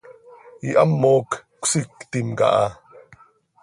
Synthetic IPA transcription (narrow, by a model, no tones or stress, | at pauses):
iʔamːoːkkʷsikt̪imka̰ʔa